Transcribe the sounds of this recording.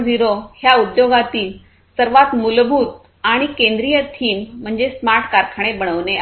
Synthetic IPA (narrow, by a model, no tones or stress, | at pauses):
d͡ziɾohjaud̪joɡat̪iːl | səɾʋat̪mulbʱut̪ | aɽ̃ikẽnd̪ɾijət̪ʰiːm̤ːəɳd͡zesmaɾʈʰkaɾkʰaɽ̃ebəɳ̃əʋne